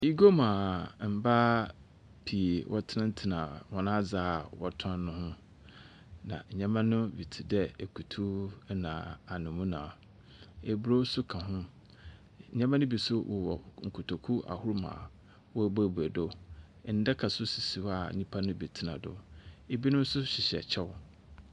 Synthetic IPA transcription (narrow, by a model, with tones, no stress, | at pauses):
i˦ɡo˦mãː˨m̩˨ba˦ | pʰi˨e˨wʔɔ˦tʰɪ˦nã˦n̩˦tʰɪ˨nã˨wɔ˨nã˦d͡zaː˦˨wɔ˨tʰã˦n˦nʊ̃˦hʊ̃˦ | nã̰˨ɲ̩˨ɲã˦mã˦nʊ̃˦bi˨tʰi˨dɛ˦˨kʰu˨tʰu˦nã˨a˨nʊ̃˨mũ˦nã̰ː˨ | e˨bu˦ɾo˦sʊ˦kʰã˨ɦʊ̃˦˨ | ɲã˦mã˦nʊ̃˦bi˨sʊ˦wʔɔ˨wɔ̰˨ŋ̩˨kʰʊ˨tʰo˨kʰu˦ʔa̰˨hʊ˦ɾmã̰˨ | wɔ˦˨bɔ˦e˨bu˨e˨do˦˨ | n̩˦dɛ˦kʰa˨sʊ˦si˨si˨wa˨ɲĩ˦pʰa˦nʊ̃˦bi˨tʰɪ˦nã̰˨dʊ̰˨e˦bi˦nʊ̃˦m̩˦sʊ˦ɕɪ˨ɕɛ̰˨t͡ɕʰɛ˦w